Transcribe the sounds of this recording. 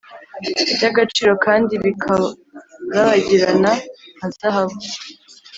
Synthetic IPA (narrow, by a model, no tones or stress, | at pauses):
ɟaɡat͡ʃiːɾo̞kaːndiβikʰa | ɾaβaɟiɾanaazahaβo